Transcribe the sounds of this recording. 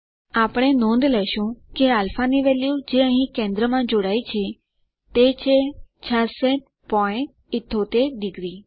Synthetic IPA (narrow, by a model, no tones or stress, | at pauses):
apɽ̃enõːnd̪lɛʃũkealfaniʋɛljud͡ʒeəɦĩkẽnd̪ɾəmãd͡ʒoːɽait͡ʃʰe | t̪et͡ʃʰet͡ʃʰasɛ̃ʈ̚ | pɔɪ̃ɳʈ̚ | ɪt̪ʰːot̪eɖɪɡɾi